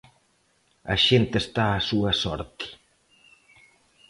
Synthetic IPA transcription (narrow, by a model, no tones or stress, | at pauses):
a̰ʃent̪est̪aːsuɐsɔ̰ɾt̪i̥